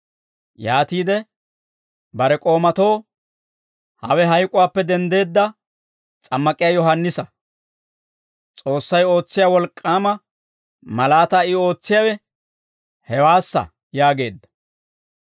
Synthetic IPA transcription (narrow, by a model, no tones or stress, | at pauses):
jaːt̪iːd̪ɛ | bɐɾɛkʼo̞ːmɐt̪o̞ː | hɐ̰wɛɦɐjkʼʊwaːpːɛd̪ɛnd̪e̞ːd̪ːɐ | t͡sʼɐmːɐkʼɪjaːjɔɦɐnːɪsɐ | t͡sʼo̞ːsːɐjo̞ːt͡sːɪjaːwɔlkʼːaːmɐ | mɐlaːt̪ɐɪo̞ːt͡sːɪjɐwɛ | hɛwaːsːɐ̰ | jaːɡe̞ːd̪ːɐ̥